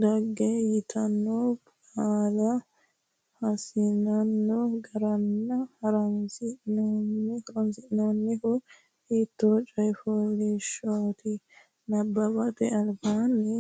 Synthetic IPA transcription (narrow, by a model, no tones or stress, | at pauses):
d̪ɐɡːɛjɪt̪ʰɐnːɔb | aːlɐ | hɐsɪnɐnːɔɡɐɾɐnːɐhɐɾɐnsɪnonːɪhɐɾɔnsɪɪnonːɪkʊ | hiːt̪ːoːt͡ʃʼɐjfɔɡeʃot̪ɪ | nɐbːɐbɐt̪ɛɐlbaːnːɛ